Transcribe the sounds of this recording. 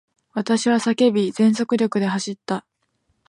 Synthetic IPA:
βat̪aɕiβasake̞bʲizẽ̞nso̞kɯ̟ɾʲo̞kɯ̟d̪e̞ɦaɕit̪ːa

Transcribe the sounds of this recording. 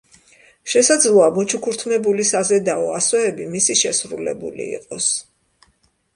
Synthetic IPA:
ʃɛsad̪zlˠɔamɔt͡ʃʰukʰuɾt̪ʰmɛbulisazɛd̪aɔasɔɛbimisiʃɛsɾulɛ̰bṵlḭḭqʼɔs

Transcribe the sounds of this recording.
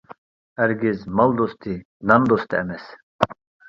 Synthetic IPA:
æɾɡizmɐld̪ɔst̪i | nand̪ɔst̪iɛ̰mɛs

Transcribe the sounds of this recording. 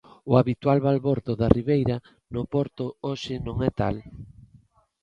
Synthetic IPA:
ʊaβit̪walβalβoɾt̪ʊðariβejɾɐ | nʊpɔɾt̪ʊoʃɪnõŋɛt̪a̰l

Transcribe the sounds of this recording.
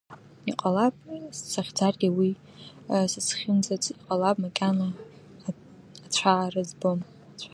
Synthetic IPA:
iqʼalapʼssaχʲd͡zarɡʲiwi | sɨsʰχʲɪmzat͡sʼiqʼalapʼmakʲʼana | at͡ɕʷʰaʕːrɨzbɨm | t͡ɕʷʰa

